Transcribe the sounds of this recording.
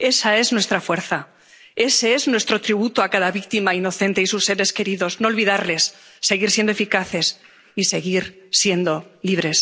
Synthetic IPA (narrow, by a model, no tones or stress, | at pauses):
e̞sae̞znwe̞st̪ɾafwe̞ɾθa | e̞seeznwe̞st̪ɾo̞t̪ɾiβut̪oakaðaβik̚t̪imaino̞θe̞nt̪e̞isusːe̞ɾe̞ske̞ɾiðo̞zno̞ːlβiðaɾle̞sːe̞ɣ̞iɾsje̞nd̪oefikaθe̞s | ise̞ɣiɾsje̞nd̪o̞liβ̞ɾe̞s